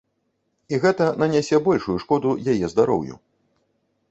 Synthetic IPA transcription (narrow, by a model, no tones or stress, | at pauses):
iɣɛt̪ɐnɐnʲasʲɛbɔlʲʂujuʂkɔd̪ujajɛzd̪aɾɔ̰wjṵ